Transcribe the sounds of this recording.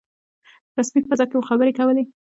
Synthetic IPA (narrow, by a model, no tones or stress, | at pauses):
ɾasmik̚pəzɑkewoxabəɾekawəle